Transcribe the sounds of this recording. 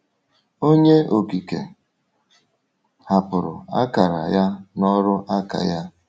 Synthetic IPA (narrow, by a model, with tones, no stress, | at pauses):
o˦ɲe˦o˨ki˨kḛ˨ | ha˨pʊ˨ɾʊ̰˨a̰˦ka˨ɾa̰˨ja˦nɔ˦ɾʊ˦ʔa˦ka̰˨ja˦